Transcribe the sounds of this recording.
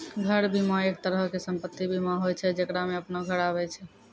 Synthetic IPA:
ɡʱəɾbimaek̚t̪əɾɦəkesəmpət̪ːibʱimaɦojt͡ʃʰɛd͡ʒekɾameəpnoɡʱəɾaβɛt͡ʃʰɛ

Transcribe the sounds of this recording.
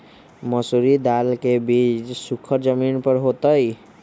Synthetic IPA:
məsuɾid̪alkebid͡ʒsukʰəɾd͡ʒəminpəɾɦot̪əj

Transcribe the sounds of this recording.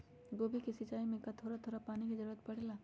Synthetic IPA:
ɡoːbʱikisɪt͡ʃaːimẽkat̪ʰoːɾat̪ʰoːɾapaːnikizɐɾuːɾət̪̚pɐɽ̤eːlaː

